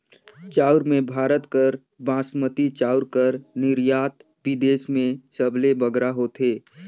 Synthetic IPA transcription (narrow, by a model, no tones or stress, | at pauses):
t͡ʃaːʊɾmẽbʱaːɾət̪kəɾ | bãːsmət̪it͡ʃaːʊɾkəɾnɪɾjaːt̪ | ʋɪd̪eːsmẽsəbʱlebəɡɾaɦot̪ɦeː